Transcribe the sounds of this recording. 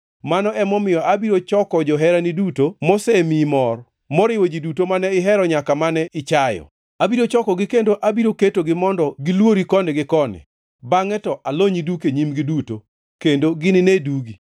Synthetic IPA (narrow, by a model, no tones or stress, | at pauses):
manɔʔɛmɔmɪjɔʔabiɾot͡ʃɔkɔd͡ʒɔɦɛɾanidutomɔsɛmimɔr | mɔɾɪwod͡ʒidutomanɛɪɦɛɾɔɲakamanɛʔɪt͡ʃajɔ̰ | abiɾot͡ʃɔkɔɡɪkendoʔabiɾoketoɡɪmɔndɔɡɪlwoɾikɔnɪɡɪkɔnɪ̰ | baŋɛtɔʔaloɲidukeɲimɡɪduto | kendoɡɪnɪneduɡi